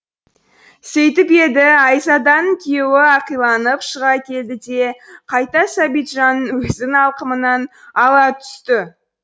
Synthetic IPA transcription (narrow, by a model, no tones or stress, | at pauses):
se̞jt̪ɪpe̞d̪ɪɑjsɑd̪ɑŋkʲʰijewɪɑqijlˠɑnəpʃəʁɑkʲʰe̞ld̪ɪd̪e̞qʰɑjt̪ɑsɑbijt̪ʒɑnwɵzɪnɑlˠqəmənɑn | ɑlˠɑt̪ʰʏ̥st̪ɪ